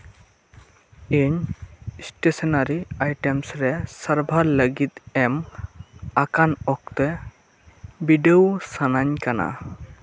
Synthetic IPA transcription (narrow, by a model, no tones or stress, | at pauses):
eɲsʈesɔnaɾiajʈemsɾɛsəɾbʱaləɡit̪ɛm | akanɔk̚t̪ɛ | biɖewsanaɲkana̰